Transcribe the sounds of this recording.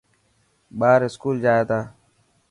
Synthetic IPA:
ɓaːɾɪskuːld͡ʒaːjeːt̪aː

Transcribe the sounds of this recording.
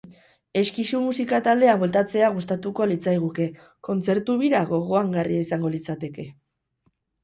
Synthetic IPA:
e̞skisumusikat̪ald̪e̞amwelt̪at͡se̞aɣ̞us̬t̪at̪uko̞lit͡sajɣ̞uke̞ | ko̞nt͡se̞ɾt̪uβiɾaɣo̞ɣ̞o̞aŋɡarieisaŋɡo̞lit͡sat̪e̞ke̞

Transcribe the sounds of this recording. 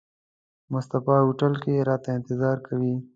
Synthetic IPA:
mʊst̪afɑːɦuʈəlkeɾɑːt̪aɪ̃nt̪ɪzɑːɾkawiː

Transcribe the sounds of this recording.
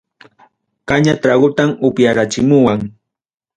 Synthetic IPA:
kaɲat̪ɾaɢʊt̪amʊpjaɾat͡ʃɪmʊwaŋ

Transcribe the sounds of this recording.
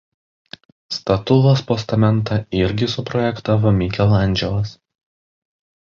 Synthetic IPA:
st̪ɐt̪ʊlˠospɔst̪ɐmʲɛnˑt̪ɑɪɾʲɡʲɪsʊpɾɔjɛkt̪ɑːʋomʲɪkʲɛlˠɐˑnʲˑd͡ʒʲɛlˠɐs

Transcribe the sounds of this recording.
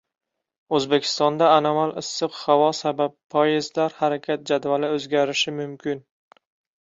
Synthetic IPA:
ɵzbekʲʰɪ̥st̪ɒnd̪aːnamalɪsːɨqhavɒsabappʰːɒjɪzlaɾhaɾakʲʰat̪̚d͡ʒad̪valɪɵzɡʲaɾɪʃɪmʊmkʲʰɪn

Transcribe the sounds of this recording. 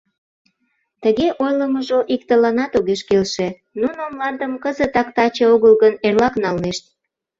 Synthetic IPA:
t̪əɣeʔojləməʒoʔikt̪əlɑnɑt̪oɣeʃkelʃe | nunomlɑnd̪əmkəzət̪ɑkt̪ɑt͡ɕeoɣəlɣənerlɑknɑlneʃt̪̚

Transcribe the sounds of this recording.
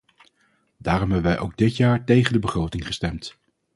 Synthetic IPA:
daːrɔmɦɛbəʋɛjʔowɡ̚dɪtjaːɹtejχəndəbəχrowtɪŋχə̥stɛmt

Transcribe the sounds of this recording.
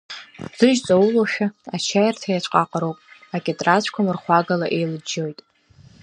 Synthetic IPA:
z̥ɨʒt͡sʼawuloʃᶣaat͡ʃʰajartʰajat͡ʃʷʼqʼaqʼaɾowpʼakʲʼetʼrat͡ɕʷʰkʷʰamɨrχʷaɡalaʔe̞jlɨd͡ʒojtʼ

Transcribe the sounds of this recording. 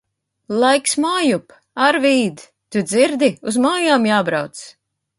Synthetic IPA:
lˠajksmaːjup | aɾviːd̪ | t̪ud̪ziɾd̪iuzmaːjaːmjaːbɾawt̪s

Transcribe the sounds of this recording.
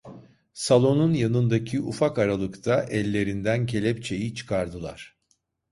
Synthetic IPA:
salˠo̞nunjanɯnd̪acʰiʔufakaɾalˠɯkt̪ʰaʔɛlʲːe̞ɾind̪æncʰe̞lʲɛp̚t͡ʃʰe̞jit͡ʃʰɯ̥kʰaɾd̪ɯlˠa̰ɾ̥

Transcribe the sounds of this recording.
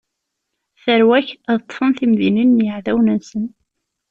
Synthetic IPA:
θəɾwæçæðət̪ˤːfənθimðininːjəʕðæwnənsən

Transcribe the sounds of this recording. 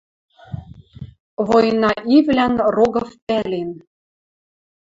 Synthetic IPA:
vojnɑʔivlænroɣɤ̆fpælʲen

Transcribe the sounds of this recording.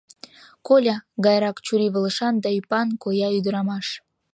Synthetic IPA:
kolʲɑɣɑjɾɑkt͡ɕuɾiβə̆ləʃɑnd̪ɑypɑnkojɑyd̪əɾɑmɑʃ

